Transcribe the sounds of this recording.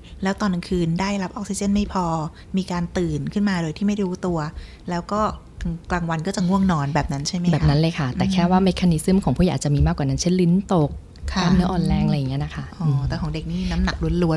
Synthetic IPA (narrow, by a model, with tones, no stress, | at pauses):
lɛː˦˥wt̪ɔː˧n˧kʰɯː˧ndaː˥˩jla˦˥p̚ʔɔː˦˥k̚si˧˩t͡ɕe˥˩nma˥˩jpʰɔː˧ | miː˧kaː˧nt̪ɯː˨˩nkʰɯ˥˩nmaː˧doː˧jt̪ʰiː˥˩ma˥˩jduː˧˥t̪u˧ɐ | lɛː˦˥wkɔː˥˩˧ | klaː˧˩ŋwa˧nkɔː˥˩t͡ɕa˨˩ŋu˥˩əŋnɔː˧nbɛː˨˩p̚na˦˥nt͡ɕʰa˥˩jma˦bɛ˨pna˦˥nlɤː˧jkʰa˥˩t̪ɛː˨˩kʰɛː˥˩waː˥˩me˦˥kʰaː˧ni˦˥sɯ˥˩mkʰɔː˩˦ŋpʰu˥˩ja˨˦ʔaː˨˩t͡ɕa˨˩miː˧maː˥˩kwaː˨˩na˦˥nt͡ɕʰe˥˩nli˧˦˥nt̪o˨˩k̚ | kʰaː˧˩mnɯ˦˥ɐʔɔː˧nlɛː˧ŋʔjŋːi˦˥ɐna˦˥kʰa˥˩ʔɔː˨˩t̪ɛː˨˩kʰɔː˩˦de˨˩k̚niː˥˩˧na˦˥mna˨˩k̚lu˧ə˦nlu˧˥ə